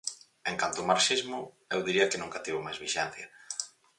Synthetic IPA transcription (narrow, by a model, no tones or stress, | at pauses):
eŋkant̪ʊmaɾsʃizmʊ | ewðiɾiɐkenuŋkat̪iβʊmajzβiʃɛn̟θjɐ